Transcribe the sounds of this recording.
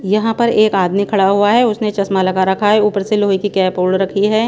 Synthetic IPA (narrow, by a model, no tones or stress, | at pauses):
jɐɦãpɐɾeːkaːd̪mikʰɐɽaɦuaɦɛʊsnet͡ʃɐsmalɐkaɾɐkʰaɦɛuːpəɾseloːikikɛːpoːɽɾɐkʰiɦɛː